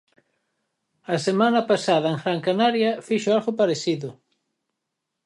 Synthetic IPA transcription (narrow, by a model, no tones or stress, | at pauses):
asemãnɐpasað̞ɐeŋxɾaŋkanaɾjɐfiʃʊalɣopaɾeθiðʊ